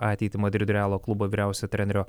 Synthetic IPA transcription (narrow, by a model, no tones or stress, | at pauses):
ɑːt̪ʲɛɪt̪ʲɪmɐd̪ʲɾʲɪd̪ʲʊɾʲæːlˠoːklˠʊboːʋʲiːɾʲæˑʊsʲot̪ʲɾʲɛnʲɾʲoː